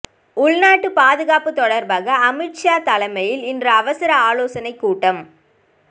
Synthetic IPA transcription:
ʊɭnaːʈːɯpaːðɯɣaːpɯt̪ɔɽɐɾbaːɣɐɐmɪʈʂaːt̪ɐlɐɪmɐjɪlɪndrɐːʋɐsɪɾɐaːloːsɐnɐɪkːuːʈːɐm

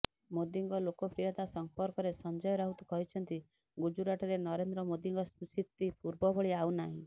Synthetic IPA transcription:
mod̪iŋɡɔlokɔpɾijɔt̪asɔmpɔɾkɔɾesɔnd͡ʒɔjɔɾaɦut̪ukɔɦit͡ʃʰɔnt̪i | ɡud͡ʒuɾaʈɔɾenɔɾend̪ɾɔmod̪iŋɡɔssit̪ːipuɾbɔbɔɭiaunaɦḭ̃

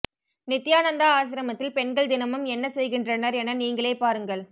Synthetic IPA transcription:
nɪt̪ːɪjaːnɐnd̪aaːs̬ɪɾɐmɐt̪ːɪlpɛɳɡɐɭd̪ɪnɐmɯmɛnːɐsɛjɣɪndrɐnɐɾɛnɐniːŋɡɐɭeːpaːɾɯŋɡɐɭ

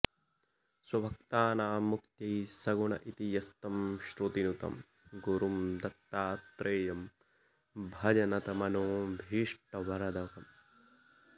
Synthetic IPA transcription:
swɐbʱɐk̚t̪aːnaːmukt̪jɐjsɐɡuɳɐ̰ʔit̪ijɐst̪ɐmʃɾut̪inut̪ɐ̰m | ɡuɾumd̪ɐt̪ːaːt̪ɾʔeːjɐm | bʱɐd͡ʒɐnɐt̪ɐmɐnoːbʱiːʂʈɐʋɐɾɐd̪ɐkɐm

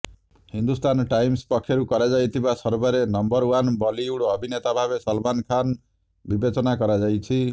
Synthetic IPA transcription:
hind̪ust̪ʰanʈajmspɔkʰːjɔɾukɔɾad͡ʒajt̪ʰibasɔɾbɔɾenɔmbɔɾwanbɔliuɽɔbʱinet̪abʱabesɔlmankʰan | bibet͡ʃɔnakɔɾad͡ʒajt͡ʃʰi

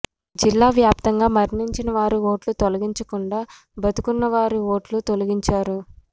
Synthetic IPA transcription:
d͡ʒilːaːʋjaːp̚t̪ɐŋɡaːmɐɾniɲt͡ʃinɐʋaːɾio̞ːʈlut̪olɐɡiɲt͡ʃɐkuɳɖaː | bɐt̪ukunːɐʋaːɾiʋo̞ːʈlut̪olɐɡiɲt͡ʃaːɾu

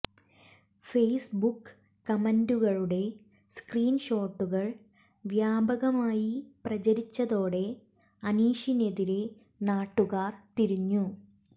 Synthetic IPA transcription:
feːjsbukː | ɐmenduɣɐɭuɽe̞ | skriːnɕo̞ːʈːuɣɐɭ | ʋjaːbʱɐɣɐmaːjiprɐt͡ɕɐɾit͡ɕːɐðo̞ːɽe̞ | ɐniːʂineðiɾe̞ | naːʈːuɣaːrt̪iɾiɲːu

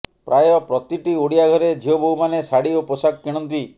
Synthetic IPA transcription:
pɾajɔpɾɔt̪iʈiuɽijaɡʱɔɾed͡ʒʱioboɦumanesaɽioposakkiɽ̃ɔnt̪i

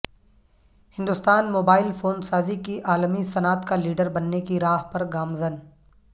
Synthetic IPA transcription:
hɪ̃nd̪ʊst̪aːnmoːbaːɪlfoːnsaːzikiʔaːlmisɐnaːt̪kaliːɖəɾbɐnːekiɾaːɦpɐɾɡaːmzən

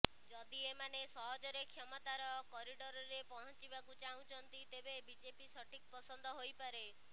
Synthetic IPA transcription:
d͡ʒɔd̪iemanesɔɦɔd͡ʒɔɾekʰjɔmɔt̪aɾɔkɔɾiɖɔɾɔɾepɔɽ̃ɔ̃t͡ʃibakut͡ʃaũt͡ʃʰɔnt̪it̪ebebid͡ʒepisɔʈʰik̚pɔsɔnd̪ʱɔɦojpaɾe

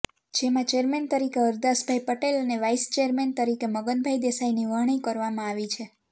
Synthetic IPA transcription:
d͡ʒemãt͡ʃeɾment̪əɾikeəɾd̪asbʱajpəʈelneʋaist͡ʃeɾment̪əɾikeməɡənbʱajd̪esajniʋəɦɳ̃ikəɾʋamãaʋit͡ʃʰe

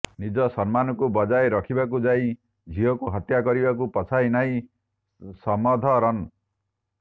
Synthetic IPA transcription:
nid͡ʒɔsɔnmanɔkubɔd͡ʒaeɾɔkʰibak̬ud͡ʒai | d͡ʒʱiɔkuɦɔt̪jakɔɾibakupɔt͡ʃʰainaĩ | sɔmɔd̪ʱɔɾɔn

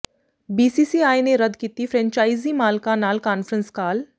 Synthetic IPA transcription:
biːsiːsiːaːjneɾəd̪kiːt̪ifʰɾɛ̃ːɲt͡ʃaːizimaːlkanaːlkaːnfəɾənskaːl

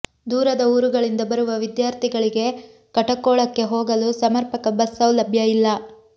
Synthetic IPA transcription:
d̪uːɾɐd̪ɐuːɾuɡɐɭind̪ɐbɐɾuʋɐʋid̪jaːɾt̪ʰiɡɐɭiɡe̞ | kɐʈɐkːoːɭɐkːe̞ɦoːɡɐlusɐmɐɾpɐkɐbɐsːɐwlɐbʱjɐilːɐ

